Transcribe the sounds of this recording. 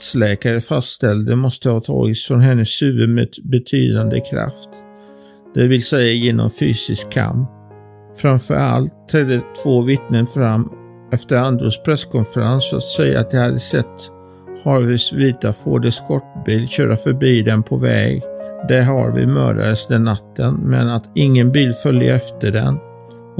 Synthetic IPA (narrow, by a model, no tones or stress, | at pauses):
t̪slɛːkaɾəfast̪st̪ɛld̪əmɔst̪əhɑːt̪ʰɑ̰ːɡɪt̪sfɾɔnɦɛnːəsːʉ̟ːəmed̪bɛt̪ʰy̰ːd̪and̪ə̰kʰɾa̰ft̪ | d̪ɛvɪlsɛjːajeːnʔɔ̰mfyːsɪskʰːa̰mp | fɾamfœ̰ɾa̰lt̪ʰːɾɛd̪ət̪ʰv̥oːvɪt̪nənfɾamː | ɛft̪əɾand̪ɾuspʰɾɛskʰɔnfəɾansɔat̪sɛjːa̰ːt̪̚d̪ɛhad̪ːəsɛt̪ː | hɑɾvʏsviːt̪afoːɖɛskʰɔʈːbiːlɕøːɾʔafœɾbiːd̪ɛnpʰɔvɛ̰ːɡd̪ɛɦaɾvɪ̰mœ̰ːɖa̰ɾəsɛd̪ənat̪ʰːənmɛnat̪ɪŋːənbiːlfœljə̰ɾɛft̪əɖɛ̰n